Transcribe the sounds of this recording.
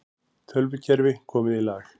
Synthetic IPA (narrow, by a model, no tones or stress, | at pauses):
t̪ʰœlvʏcʰɛɾvɪkʰɔːmɪðilaːx